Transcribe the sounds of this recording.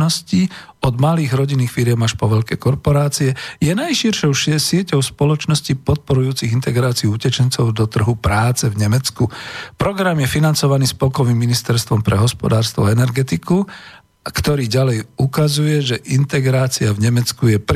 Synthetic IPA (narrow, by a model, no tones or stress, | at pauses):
nɔsci | ɔd̪maliːɣɾɔɟinːiːxfiɾɪjɛmaʃpɔʋɛʎkɛ̰kɔɾpɔɾaːt͡siɛjɛnajʃiɾʃɔʊʃɪɛsɪɛcɔʊspɔlɔt͡ʃnɔscipɔt̪̚pɔɾujuːt͡siɣint̪ɛɡɾaːt͡siuucɛt͡ʃɛnt͡sɔʊd̪ɔt̪r̩ɦupɾaːt͡sɛvɲɛmɛt͡skupɾɔɡɾamjɛfinant͡sɔʋaniːspɔlkɔʋimːinist̪ɛɾst̪ʋɔmpɾɛɦɔspɔ̰d̪aːɾst̪ʋɔɛnɛɾɡɛt̪iku | kt̪ɔɾiːɟalɛjukazujɛʒɛʔint̪ɛɡɾaːt͡siavɲɛmɛt͡skujɛpɾ